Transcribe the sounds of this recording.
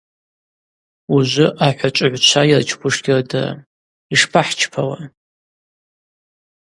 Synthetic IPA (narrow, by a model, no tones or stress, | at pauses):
uʒʷʊʔaħʷat͡ʃʷʼʕʷt͡ʃʷʰajɪrt͡ʃʰkʷʰʼʊʂɡʲɪrda̰ | iʂpʰaħt͡ʃʰpʰawa